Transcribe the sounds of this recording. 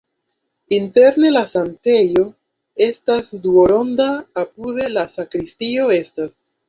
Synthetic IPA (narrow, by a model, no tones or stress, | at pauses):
inte̞ɾne̞lasante̞jo̞ | e̞stasduo̞ɾo̞ndaːpude̞lasakɾistio̞e̞stas